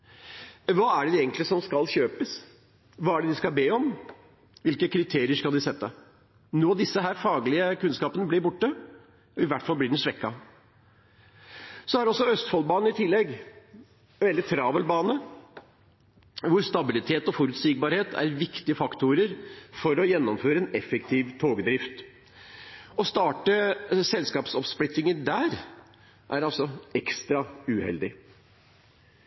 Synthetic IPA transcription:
ʋɑːæɖɛjɛɡənt̪lɪsɔmskɑlçøːpəs | ʋɑːæɖɛd̪ɪskɑlbeːɔm | ʋɪlkəkʰɾɪt̪ʰeːɾɪəʂkɑld̪ɪsɛt̪ːə | nuːɑʋd̪ɪsːəɦæːɾfɑːɡlɪəkʉnskɑːpənəblɪɾbʊʈːə | ɔɪʋæʈːfɑlːblɪɖɛnsʋɛkːɑ | sɔæɾɔsːɔœst̪fɔlbɑːnəɪt̪ʰɪlːɛɡ | ʋɛld̪ɪt̪ʰɾɑːʋəlbɑːnə | ʋʊɾst̪ɑbɪlɪt̪ʰeːt̪ɔfɔɾʉt̪siːɡ̚bɑːɾheːt̪ʰæ̰ɾʋɪkt̪ɪəfɑkt̪ʊɾəɾfɔɾɔjɛnːɔmføːɾəɛnɛfːɛkt̪ʰiːʋt̪ʰoːɡd̪ɾɪft̪ | ɔst̪ɑːʈəsɛlskɑːpsɔpsplɪt̪ːɪŋəɾɖ̪æːɾ | ʔæɾɑlsɔɛkst̪ɾɑʉhɛ̰ld̪ɪ

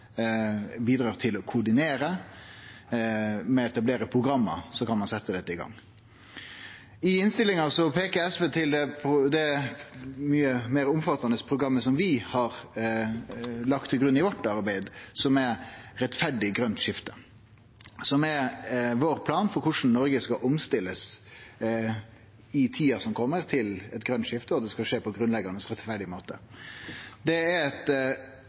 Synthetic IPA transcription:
biːd̪ɾɑːt̪ʰɪlɔkʰʊɖɪneːɾə | mɛɛt̪ɑbleːɾəpʰɾʊɡɾɑmːə̰sɔkɑnmɑnsɛt̪ːəd̪ɛt̪ːəɪɡɑ̰ŋː | ɪɪnst̪ɪlɪŋɑsɔpʰeːkəɛsʋeːt̪ʰɪld̪ɛpʰd̪ɛ | myːəmeːɾʊmfɑt̪ːɑnəspʰɾʊɡɾɑmːəsɔmʋɪhɑɾ | lɑkt̪ʰːɪlɡɾʉnːɪʋɔʈːɑɾbæɪd̪sɔmɛɾɛt̪fæɖɪɡɾœnt̪ʂɪft̪ʰə̥ | sɔmɛɾʋoːɾpʰlɑːnfɔɾkʰʊʂn̩nɔɾɡəskɑʔʊmst̪ɪlːəs | ɪt̪ʰiːɑsɔmkʰɔmːəɾt̪ʰɪlɛt̪ɡɾœnt̪ʂɪft̪əɔd̪ɛskɑʂeːpʰɔɡɾʉnlɛɡɑnəsɾɛt̪fæɖɪmoːt̪ə | d̪ɛæɛt̪

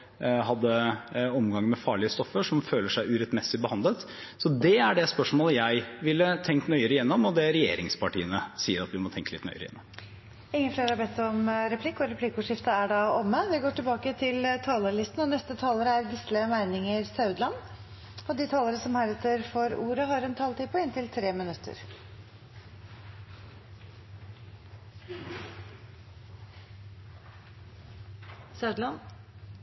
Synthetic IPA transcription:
ɦɑd̪ːəɔmɡɑŋmɛfɑːɭɪəst̪ɔfːəʂɔmføːləʂæɪʔʉːɾɛt̪mɛsɪbəhɑnd̪ət̪ | sɔd̪ɛæɖɛspœʂmoːləjæɪʋɪlːət̪ʰɛŋkt̪nœʏəɾəjɛnːɔmɔd̪ɛɾɛjḛːɾɪŋspɑʈḭːənəsiːəɾɑt̪ʋɪmɔt̪ʰɛŋkəlɪt̪nœ̰ʏəɾəjɛ̰nːɔm | ɪŋːənfleːɾhɑbɛt̪ːɔmɾɛpʰlɪkːɔɾɛpʰlɪkːʊʂɪft̪əæɖɑɔmːəʋɪɡoːʈɪlbɑːkət̪ʰɪlt̪ʰɑːləɭɪst̪n̩ɔnɛst̪ət̪ʰɑːləɾəæɾɡ̪ɪst̪ləmæɪnɪŋəɾsɑʉd̪lɑn | ɔd̪ɪt̪ʰɑːləɾəsɔmhæɾɛt̪əɾfɔɾṵːɾəɦɑɾɛnt̪ʰɑːlt̪ʰiːpʰɔɪnt̪ʰɪlt̪ʰɾeːmɪnʉt̪ʰːə̰ɾ | sɑʉd̪lɑn

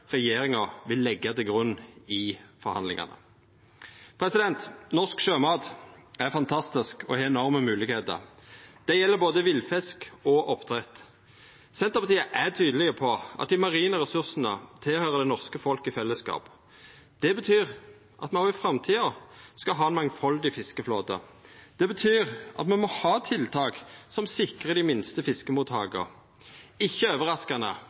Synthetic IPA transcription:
ʁɛjeːɾɪŋɑʋɪlːɛɡːɑt̪ɪlɡʁʉnːɪfɔɾhɑ̰nlɪ̰ŋɑ̰nə̰ | pʰɾɛsɪd̪ɛnt̪nɔʁskʃøːmɑːd̪æʁfɑnt̪ʰɑst̪ɪskɔ̰heːɛnɔʁməmʉːlɪɡheːt̪ə̰ʁd̪̥ɛjɛlːəboːd̪əʋɪlfɛskɔʔɔpt̪ʰʁɛt̪ː | sɛnt̪əʁpʰɑt̪iːəʔæt̪ʰyːd̪əlɪɡəpʰɔɑ̰t̪̚d̪ɪmɑʁiːnəɾʁɛsʉʁsnət̪ʰɪlhøːʁəd̪ɛnɔʁskəfɔlkɪfɛlːəskɑ̰ːp | d̪̥ɛbət̪ʰyːʁ | ʔɑt̪mɛnoɪfɾɑmt̪ʰiːɑskɑɦɑːɛnmɑŋfɑld̪ɪfɪskəfloːd̪ə̰d̪̥ɛbət̪ʰyːʁʔɑ̰t̪mɛnmɔhɑːt̪ʰɪlt̪ʰɑːksɔmsɪkʁəd̪ɪmɪnst̪əfɪskəmuːt̪hɑ̰ːɡə̰ | ɪçːəøːʋəʁɑskɑnə̰

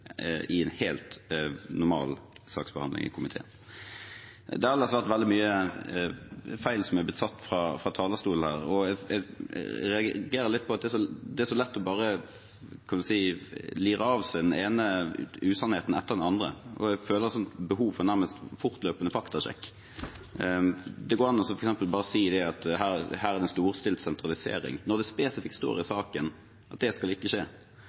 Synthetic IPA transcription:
ʔɪɛnheːlt̪nʊɾmɑ̰ːlsɑ̰ːksbəhɑ̰nɪ̰ŋɪ̰kʰʊmɪt̪ʰḛːn | d̪ɛhɑlɑsʋæʁt̪ʋɛld̪ɪmyːə | fæɪlsɔmæb̪ɪt̪sɑt̪ːfɾɑfɾɑt̪ʰɑːləst̪uːln̩hæːɾɔɛɡ̰ɾɛɑɡeːɾəlɪt̪̚ːpʰɔɑt̪d̪ɛæʂɔd̪ɛæʂɔlɛt̪ːɔbɑːɾə | kʰɑnʋʉsiːliːɾəɑʋsæɪd̪ɛneːnəʉːsɑnheːt̪n̩ɛt̪ːəʁd̪ɛnɑnd̪ɾə̰ʔɔ̰ɛføːləɾət̪sɔnt̪bəɦuːʋfɔɾnæɾməst̪fʊʁt̪løːpənəfɑkt̪ɑɕɛ̰kː | d̪ɛɡoːɾɑnːɔsɔfɔɾɛksɛmpəlbɑːɾəsiːɪd̪ɛɑt̪ɦæːɾhæːɾæʁd̪ɛst̪uːɾst̪ɪlsɛnt̪ɾʁɑlɪsḛːɾɪ̰ŋnɔd̪ɛspeːsɪfɪk̪st̪o̰ːɾɪsɑːkən | ʔɑt̪̚d̪ɛskɑlɪkːəʂeː

